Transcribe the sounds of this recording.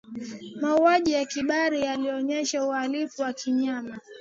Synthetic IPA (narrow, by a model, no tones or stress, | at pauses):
mauaʄijakiɓaɾijaliɔɲɛʃaualifuwakiɲama